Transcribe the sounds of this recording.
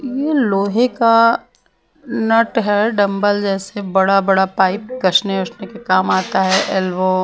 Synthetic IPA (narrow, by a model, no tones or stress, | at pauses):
jeloːɦeka | nɐʈɦɛɖɐ̃mbəld͡ʒɛːsebɐɽabɐɽapaːɪp̚kɐʃneʊsnekekaːmaːt̪aɦɛʔɛlboː